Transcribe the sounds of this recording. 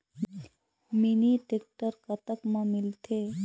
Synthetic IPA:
miniʈek̚ʈəɾkət̪əkmamilt̪ʰe

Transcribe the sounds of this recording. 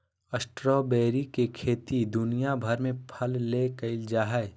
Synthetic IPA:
əsʈɾɔːbeːɾikekʰeːt̪id̪ʊnijabʱɐɾmẽpʰəlːekəɪld͡ʒaːɦəe

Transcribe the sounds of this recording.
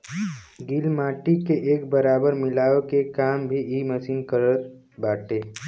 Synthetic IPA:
ɡilmaːʈikeʔeːk̚bəɾaːbəɾmɪlaːokekaːmbʱiiːməsiːnkəɾət̪ | baːʈeː

